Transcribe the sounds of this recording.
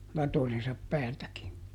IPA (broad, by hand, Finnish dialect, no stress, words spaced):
lɑtojensɑp pæːltækin